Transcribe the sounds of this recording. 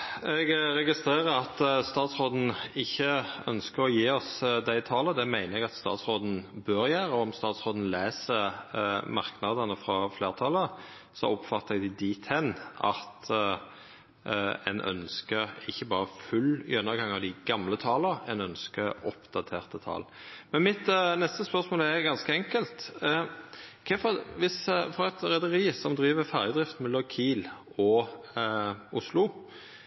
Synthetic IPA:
ɛɡɾɛɡɪst̪ʁeːʁəɾɑt̪st̪ɑːt̪sʁoːd̪n̩ɪçːəœnskəɾɔjiːɔsd̪æɪt̪ʰɑːləd̪ɛmæɪnəɛɡɑt̪st̪ɑ̰ːt̪sʁoːd̪n̩bøːɾjæːʁəɔɔmst̪ɑːt̪sʁoːd̪n̩leːsəɾmɑʁknɑd̪ənəfʁɑfleːʁt̪ʰɑːlə | sɔ̰ɔpfɑt̪ːəɛɡd̪ɪd̪iːt̪ʰɛnɑ̰t̪ | ɛ̰nʔœ̰nskəɾɪçːəbɑːʁəfʉljœnːəɡɑŋɑʋd̪ɪɡɑmlət̪ʰɑːləɛnœnskəɔpd̪̥ɑt̪ʰeːʁt̪ət̪ʰɑ̰ːl | mɛnmɪt̪nɛst̪əspœʁsmoːlɛɾɡɑnskəɛŋkəlt̪ | kʰɛfɔʋɪsfɔɾɛt̪ɾɛd̪əɾiːsɔmd̪ɾiːʋəfæːʁjəd̪ʁɪft̪mɛlːɔmkʰiːlɔ | ʊslʊ

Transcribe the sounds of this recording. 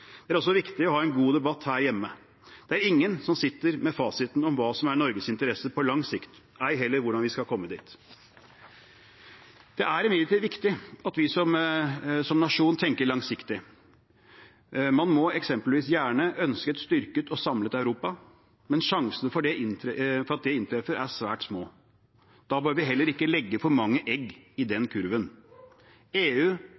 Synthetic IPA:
d̪̥ɛæɾɔlsɔʋɪkt̪ɪɔhɑːɛnɡuːd̪ɛbɑt̪hæːɾjɛmːə | d̪̥ɛæɾɪŋːənsɔmsɪt̪ːəɾmɛfɑːsɪt̪nɔmʋɑːsɔmæɳɔɾɡəsɪnt̪əɾɛsəpʰɔlɑŋsɪkt̪ | æɪɦɛlːəɾʋʊɖɑnʋɪskɑlkʰɔmːəd̪ḭːt̪ | d̪̥ɛʔæɾɪmeːt̪iʋɪkt̪ɪɑt̪ʋɪsɔm | sɔmnɑʂuːnt̪ʰɛŋkəɭɑŋsɪkt̪ɪ | mɑnmɔɛksɛmpəlʋiːsjæːɳəœnskət̪st̪ʏɾkət̪ɔsɑmlət̪ɑʉɾuːpɑ | mɛnʂɑŋsənfɔɖɛʔɪnfɔɾɑt̪̚d̪ɛɪnt̪ʰɾɛfəɾʔæʂʋæːʈsmoː | d̪̥ɑːbøːɾʋɪɦɛlːəɾɪkːəlɛɡːəfʰɔɾmɑŋːəʔɛɡɪd̪ɛnkʰʉɾʋən | eːʉː

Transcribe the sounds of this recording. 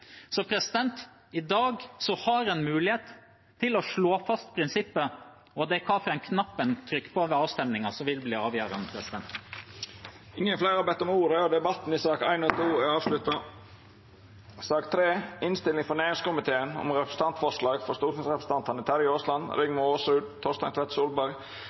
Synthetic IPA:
sɔpʰɾɛsɪd̪ɛnt̪ | ɪd̪ɑːɡsɔhɑɾɛnmʉːlɪheːt̪ʰː | ɪlɔʂɭoːfɑst̪pʰɾɪnsɪpːə | ɔd̪ɛkʰɑfɾɛɪnkʰnɑpːənt̪ʰɾʏkːə̥pʰoʋɛɑːʋst̪ɛmnɪŋɑsɔʋɪlbliːɑːʋjœːɾɑ̰nəpʰɾɛsɪd̪ɛnt̪ | ɪŋːənflæɪɾɑbɛt̪ːɔmuːɾəɔd̪ɛbɑt̪ːn̩ɪsɑːkæ̰ɪnɔt̪ʰuːæɑːʋʂlʉt̪ːɑ | sɑːkt̪ʰɾeːɪnst̪ɪlɪŋfɔɾneːɾɪŋskʊmɪt̪ʰeːənɔ̰mɾɛpɾəst̪ɑnt̪fɔʂlɑːɡfɔɾst̪uːkʊnsɾɛpɾəsə̥t̪ɑnt̪ʰɑnət̪ʰæɾɪoːslɑnɾɪŋmʊoːsʉːd̪t̪ʰɔst̪ɑ̰ŋt̪ʰɛt̪suːlbæɾɡ

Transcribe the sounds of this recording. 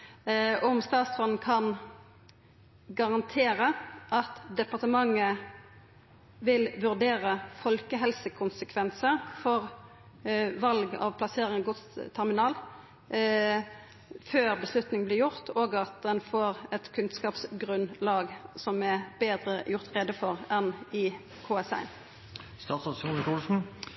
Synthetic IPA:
ɔmst̪ɑːt̪sʁɔnn̩kʰɑn | ɡɑʁɑnt̪ʰeːʁəʔɑt̪d̪ɛpɑʁt̪əmɑŋːə | ʋɪlʋʉʁd̪eːʁəfɔlkəɦɛlsəkʰʊnsəkʰʋɛnsəʁfɔʁ | ʋɑlɡɑ̰ʋpʰlɑseːʁɪŋɡɔt̪st̪ʰæʁmɪnɑːl | føːʁbəslʉt̪nɪŋblɪʁjʊʁt̪ʰoːɡɑt̪̚d̪ɛnfoːʁɛt̪kʰʉnskɑːpsɡʁʉnlɑːɡsɔmæbeːd̪ʁəjʊʁt̪ʁɛd̪əfɔʁɛnɪ | kʰoːɛsæ̰ɪn | st̪ɑːt̪sɑsunəkʰɑːlsn̩

